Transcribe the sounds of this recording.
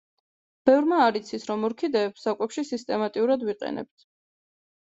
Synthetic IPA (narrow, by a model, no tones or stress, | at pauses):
b̥ɛvɾmaːɾit̪sʰisɾɔmɔɾkʰid̪ɛːpsakʼɛpʃisist̪ʼɛmat̪ʼiuɾad̪viqʼɛ̰nɛ̰p̚t̪ʰ